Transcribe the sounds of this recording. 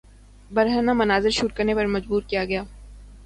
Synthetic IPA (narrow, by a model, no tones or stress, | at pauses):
bɐɾɦənamɐnaːzɪɾʃuːʈ̚kəɾnepɐɾmɐd͡ʒbuːɾkijaɡɐjaː